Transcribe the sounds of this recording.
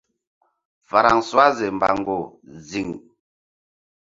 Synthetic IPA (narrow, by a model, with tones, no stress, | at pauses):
fa˨ɾa˨ŋswa˦ze˨m˨ba̰˨ŋ˨ɡo˨zi˨ŋ